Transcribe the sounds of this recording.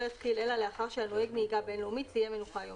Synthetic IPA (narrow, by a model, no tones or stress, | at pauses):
ɛstʰilɛlaleaχaʁʃianoɛɡniːɡabɛnlumit̪siamenuχajɔ